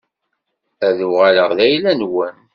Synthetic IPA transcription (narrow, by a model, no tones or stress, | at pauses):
æðuʁaləʁðæjlænwən